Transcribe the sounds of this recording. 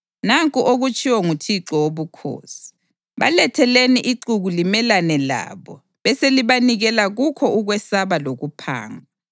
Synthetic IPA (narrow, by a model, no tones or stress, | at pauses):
naŋkʼuʔoɣut͡ʃʼiwɔŋutʰiǁɔwoβukʰo̰ːsi̥ | βa̰lɛtʰɛleniʔiǃuɣulimɛlanɛla̰ːβɔ | βɛseliβaniɣɛlaɣukʰɔuɣwɛsaβaloɣupʰa̰ːŋa